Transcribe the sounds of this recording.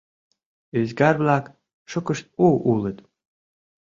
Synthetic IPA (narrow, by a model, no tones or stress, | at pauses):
yzɡɑrβlɑk | ʃŏkə̆ʃt̪̚uulə̆t̪